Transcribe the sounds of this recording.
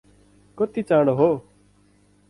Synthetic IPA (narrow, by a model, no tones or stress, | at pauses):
koːt̪iːt͡ʃãːɽoːɦoː